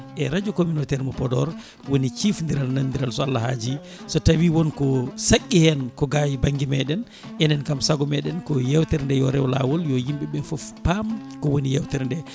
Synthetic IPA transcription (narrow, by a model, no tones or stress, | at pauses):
ʔɛɾad͡ʒɔkominotɛɾmɔpɔdɔ̰ɾ | wonit͡ʃifndiɾalnandiɾalsɔalːahad͡ʒi | sɔtawiwɔnkɔsakʲʼːihɛnkɔɡajbaŋɡimɛɗɛn | ʔɛnɛnkamsaɡɔmɛɗɛnkɔjɛwtɛɾndɛjɔɾɛwlawɔljɔjimɓɛɓɛfɔfpamkɔwonijɛwtɛɾndɛ